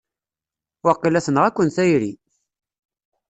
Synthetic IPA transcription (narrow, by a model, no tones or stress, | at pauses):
wɑqːilæsənəʁækʷːənθæjɾḭ